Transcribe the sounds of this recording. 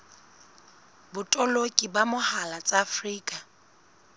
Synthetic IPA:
bʊtʼɔlokʼibamʊhalat͡sʼaːfriːkʼa

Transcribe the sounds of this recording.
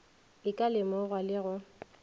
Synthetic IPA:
ɪkʼalɪmɔɣwalɪɣʊ

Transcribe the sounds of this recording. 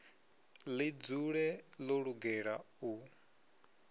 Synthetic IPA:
lid͡zuɺɛlɔɺuɡɛɺa̰ | u

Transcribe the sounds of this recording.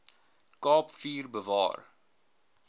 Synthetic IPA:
kɑːpfiːrbəvɑ̰ːr

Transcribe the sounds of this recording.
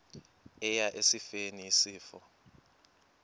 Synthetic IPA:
ɛjaʔesifeniisiːfɔ

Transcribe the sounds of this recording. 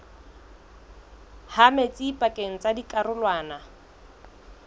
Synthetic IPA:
hamet͡sʼipʼakʼeŋ̩t͡sadikʼarʊlwaːna

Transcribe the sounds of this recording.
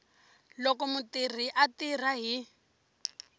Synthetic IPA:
lɔkɔmutir̤iʔatir̤aɦi

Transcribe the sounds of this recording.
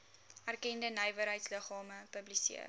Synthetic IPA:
ærkɛndənəjvəɾɦəjtsləχɑːməpəblisḭər

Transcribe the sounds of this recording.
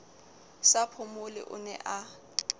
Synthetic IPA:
sapʰʊmʊlɪ̰ʔʊ̰nɛ̰ʔa

